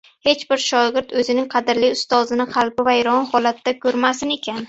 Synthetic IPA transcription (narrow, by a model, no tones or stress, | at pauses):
he̞t͡ʃbɪɾʃɒɡʲɪɾd̪ɵzɪnɪŋqʰɑd̪ɪɾlɪʊst̪ɒzɪnɪqʰɑlˠbɪvajɾɒnhɒlat̪ːakʰɵɾmasɪne̞kʲʰan